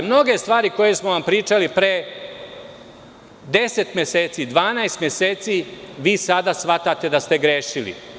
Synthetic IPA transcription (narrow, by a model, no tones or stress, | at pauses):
mno̞ɡe̞st̪ʋaːɾiko̞je̞smoʋampɾiːt͡ʃalipɾe | d̪e̞se̞t̪mjeseːt̪sid̪ʋaːnaest̪mje̞seːt̪siʋiːsad̪asʋat̪at̪e̞d̪ast̪e̞ɡɾeːʃilḭ